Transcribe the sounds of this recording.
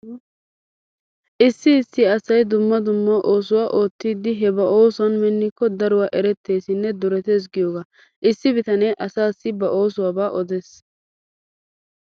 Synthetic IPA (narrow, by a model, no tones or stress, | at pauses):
ʔɪsːɪːsːɪɐsɐjd̪ʊmːɐd̪ʊmːɐʔo̞ːsʊwaːʔo̞ːt̪ːiːd̪ːɪɦɛbɐʔo̞ːsʊwɐnmɛnːɪkːɔd̪ɐɾʊwaːʔɛɾɛt̪ːe̞ːsɪnːɛd̪ʊɾɛt̪eːs̬ɡɪjoːɡaː | ʔɪsːɪbɪt̪ɐneʔɐsaːsːɪbɐʔo̞ːsʊwaːbaːʔɔd̪ɛs